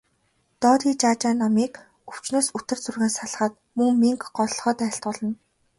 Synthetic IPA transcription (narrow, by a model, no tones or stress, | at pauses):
t̪ɔːt̪iːt͡ɕaːt͡ɕaːnːamiːk | ɵw̥t͡ɕnoːsɵt̪ɘ̆rt͡surɣeːnsaɮ̆χə̆ːt̪̚ | mɵŋmiŋkɢɔɮ̆ɮχɔːt̪æːɬt̪ɔɮɞ̆n